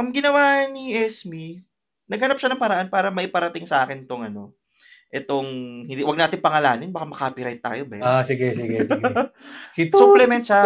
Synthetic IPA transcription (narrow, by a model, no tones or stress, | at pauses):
ʔɐmɡɪnɐwaniʔɛsmi | nɐɡhɐnap̚ʃanɐŋpɐɾɐʔanpaːɾɐmɐʔɪpɐɾɐt̪ɪŋsɐʔaːkɪnt̪oŋɐno̞ | ʔɛt̪oŋhɪnd̪iwɐɡnaːt̪ɪŋpɐŋɐlaːnɪnbɐkamɐkapɪɾajt̪̚ːa̰ːjobɐasɪɡɛsiɡɛsɡ | suplɛmɛnt̪̚ʃa